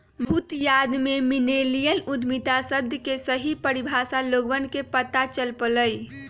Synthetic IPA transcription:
bʱut̪jad̪meminelijənud̪ʱmit̪asəb̚d̪ʱjəkesəɦipəɾibʱasaloɡʋənkepət̪at͡ʃəlpələj

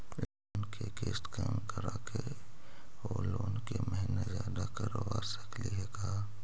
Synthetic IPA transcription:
loːnkekeːsʈkaːmkəɾaːke | oːloːnkeməɦɪnezjaːd̪akəɾoʋaːsəkliɦɛkaa

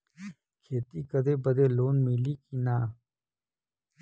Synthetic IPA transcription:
kʰeːt̪iːkɐd̪eːbɐd̪eːloːnmiliːkinaː

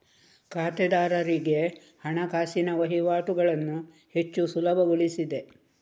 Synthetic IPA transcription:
kaːt̪ɛd̪aːɾɐɾiɡe̞ | hɐɳɐkaːsinɐʋɐɦiʋaːʈuɡɐɭɐnːu | he̞t͡ʃːusulɐbʱɐɡuɭisid̪e̞

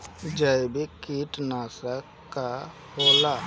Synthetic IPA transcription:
d͡ʒəjbekiʈnaːsəkːa | hoːla

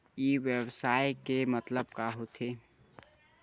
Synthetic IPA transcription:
iːʋebsaːjkemɐt̪ləbkaɦot̪ʰeː

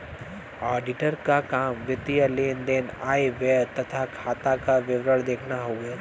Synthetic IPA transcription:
aːɖɪʈəɾkakaːmʋɪt̪ijəleːnd̪eːna̰ːeʋeːt̪ɐt̪ʰakʰaːt̪akaʋɪʋɾəɭd̪eːkʰnaɦoːɡeː

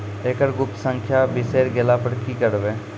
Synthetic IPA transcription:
eːkəɾɡʊp̚t̪sə̃ŋkʰjabɪseːɾɡelapəɽkikəɾʋẽː

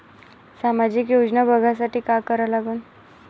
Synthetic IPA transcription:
samad͡ʑiːkjod͡znabʱəɡʱas̬aʈʰiːkakəɾalaɡuːn

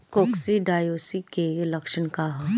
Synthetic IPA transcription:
koːksiɖaːjoːsikelɐkʃənkaɦ

